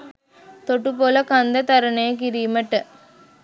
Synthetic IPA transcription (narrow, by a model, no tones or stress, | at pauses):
t̪oʈːɯpoːlɐkɐnd̪ɐt̪ɐɾɐnɐɐkɪɾiːmɐʈːɯ